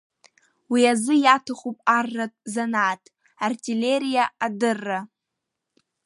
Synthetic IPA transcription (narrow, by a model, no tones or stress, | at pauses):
wiazɨjatʰɨχʼupʼarːatʼzanaːtʼ | artʼileɾijaadɨrːa